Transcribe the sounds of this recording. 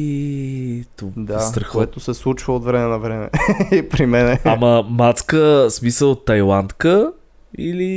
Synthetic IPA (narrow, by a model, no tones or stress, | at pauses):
i | t̪od̪ast̪ɾəxoɛt̪osɛslˠut͡ʃvəot̪vɾɛmɛnɐvɾɛmɛ̰ipɾimɛnɛaməmat̪skəsmisəlˠt̪ːɐjlˠant̪kə | ili